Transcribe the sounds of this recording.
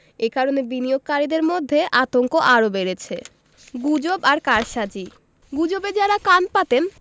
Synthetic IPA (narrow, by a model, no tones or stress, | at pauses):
ekaɾonebinijoɡ̚kaɾid̪eɾmod̪ʱːeʔat̪oŋkoʔaɾobeɾet͡ɕʰe | ɡud͡ʑobaɾkaɾʃad͡ʑi | ɡud͡ʑobed͡ʑaɾakanpat̪en